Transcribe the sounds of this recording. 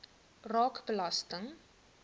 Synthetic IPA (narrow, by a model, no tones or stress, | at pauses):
rɑːkbəlɐstəŋ